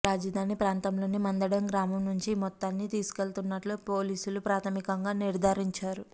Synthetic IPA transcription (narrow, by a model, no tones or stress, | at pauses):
ɾaːd͡ʒɐd̪ʱaːnipɾaːnt̪ɐmlo̞ːnimɐnd̪ɐɽɐmɡɾaːmɐmnuɲt͡ʃimɔt̪ːaːnːit̪iːsu̥ke̞lt̪unːɐʈloːpo̞ːliːsulupɾaːt̪ʰɐmikɐŋɡaːniɾd̪ʱaːɾiɲt͡ʃaːɾu